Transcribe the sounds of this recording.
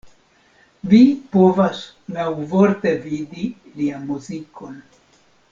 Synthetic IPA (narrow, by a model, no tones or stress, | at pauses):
vipo̞vas | nawvoɾte̞vidi | lianmuziko̞n